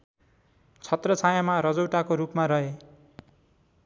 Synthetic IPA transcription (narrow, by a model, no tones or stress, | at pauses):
t͡sʰʌt̪rʌt͡sʰajamaɾʌd͡zowʈakoɾupmaɾʌɦe